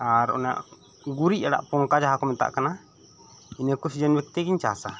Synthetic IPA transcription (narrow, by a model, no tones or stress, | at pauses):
aɾɔ̰na̰ʔ | ɡuɾiaɽa̰ʔpɔŋkad͡ʒaɦakɔmɛt̪a̰ʔkana | inekusd͡ʒɛnwɛk̚t̪ɛɡiɲt͡ʃasa